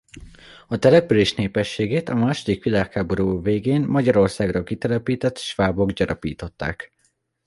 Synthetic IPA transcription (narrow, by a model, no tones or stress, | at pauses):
ɒt̪ɛlɛpyleːʃneːpɛʃːeːɡeːt̪ɒmaːʃo̞d̪ikʋilaːkhaːbo̞ɾuːveːɡeːnmɒɟɒɾo̞rsaːɡrɒkit̪ɛlɛpiːt̪ɛt̪ʃʋaːbo̞ɡɟɒɾʔɒpḭːt̪o̞t̪ːa̰ːk